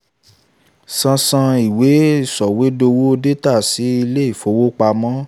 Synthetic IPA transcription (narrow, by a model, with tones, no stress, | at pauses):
sã˧sã˧i˨we˨˦˨sɔ˨we˨˦do˧wo˦o˧de˦ta˦˨si˨˦i˧le˦i˦˨fo˧˦wo˦k͡pa˧mɔ̃˦